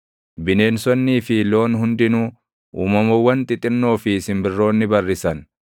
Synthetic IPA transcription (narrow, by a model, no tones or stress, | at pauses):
bɪne̞ːnsɔnːiːfɪlo̞ːnhʊnd̪ɪnuː | ʔuːmɐmɐwːɐnt̪ʼɪt̪ʼɪnːo̞ːfɪːsɪmbɪrːo̞ːnːɪbɐrːɪsɐn